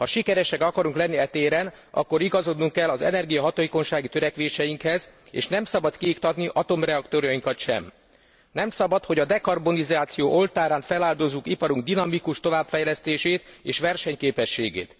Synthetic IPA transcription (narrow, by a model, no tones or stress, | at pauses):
hɒʃikɛɾɛʃɛkɒkɒɾuŋklɛnːiɛt̪eːɾɛn | ɒ̰kːo̞ɾiɡɒzo̞d̪nuŋkːɛlːɒzɛ̰nɛrɡijɒɦɒt̪oːjiko̞nʃaːɡit̪ø̞ɾɛkʋeːʃɛjiŋkhɛzḛːʃnɛmsɒbɒt̪kiikt̪ɒt̪niʔɒt̪o̞mrɛɒkt̪oːɾjɒjiŋkɒt̪ʃɛ̰m | nɛmsɒbɒt̪ho̞ɟɒd̪ɛkɒrbo̞nizaːt̪sijoːʔo̞lt̪aːɾaːnfɛlaːld̪o̞zːukipɒɾuŋɡ̚d̪inɒmikuʃt̪o̞vaːbfɛjlɛst̪eːʃeːt̪eːʃʋɛrʃɛɲkeːpɛʃːeːɡḛːt̪